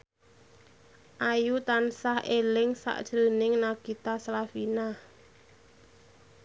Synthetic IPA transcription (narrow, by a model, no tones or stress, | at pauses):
ʔajut̪ansahʔelɪŋsa̰ʔd̥ʒ̥əɾənɪŋnaɡ̥it̪aslafina